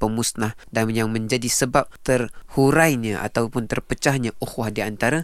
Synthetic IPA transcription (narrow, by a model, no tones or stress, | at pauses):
pəmusnah | dajaŋməɲd͡ʒadisəbap̚t̪ərhuɾajɲəʔa̰t̪awpʊnt̪ərpət͡ʃahɲəʔuhwahdiant̪aɾa